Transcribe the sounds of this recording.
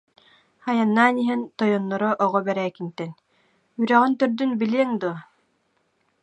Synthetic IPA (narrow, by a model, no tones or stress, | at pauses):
ajanːaːniɦɛnt̪ɔjɔnːɔɾɔʔɔʁɔbɛɾɛːkint̪ɛn | yɾɛʁint̪œɾd̪ynbiliɛŋd̪uɔ